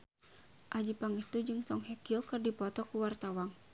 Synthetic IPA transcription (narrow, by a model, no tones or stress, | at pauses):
ʔad͡ʒipaŋɛst̪ud͡ʒɨŋsɔŋɦɛkiɔkɨrdipɔt̪ɔkuwart̪awaŋ